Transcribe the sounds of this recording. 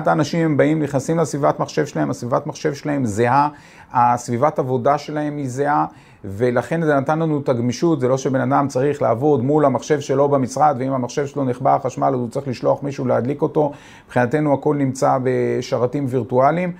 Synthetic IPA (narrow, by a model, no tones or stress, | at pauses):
ataanaʃimhembaimniχnasimlasvivatmaχʃe̞vʃelahemasvivatmaχʃe̞vʃelahe̞mzeha | asvivatavo̞daʃe̞lahe̞mizea | ve̞laχe̞nzenatanlanutaɡmiʃutze̞lo̞ʃebenadamt͡saʁiχla̰ːvo̞dmulamaχʃe̞vʃe̞lo̞bemisʁad̪veimamaχʃe̞vʃelo̞niχbaχaʃmalut͡sʁiχliʃlo̞aχmiʃuulead̪liko̞to̞ | b̥χinate̞nuako̞lnimt͡sabe̞ʃaʁatimviʁtualim